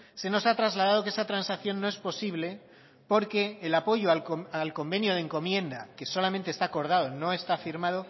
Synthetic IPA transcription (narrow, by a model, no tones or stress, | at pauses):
se̞no̞sat̪ɾazlað̞að̞o̞keesat̪ɾansakθjo̞nːo̞e̞spo̞siβ̞le̞ | po̞ɾke̞ːlapo̞ʝoalalko̞mbe̞njo̞ðeŋko̞mje̞nd̪a̰ke̞so̞lamẽnt̪est̪aːko̞ɾð̞að̞o̞no̞e̞st̪afiɾmað̞o